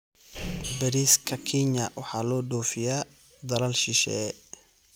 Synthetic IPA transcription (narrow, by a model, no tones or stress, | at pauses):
bɐɾiskʰɐkʰiɲɐwɑħɑːlɔːɖɔːfɪjaː | d̪ɐlɐlʃɪʃɛ̰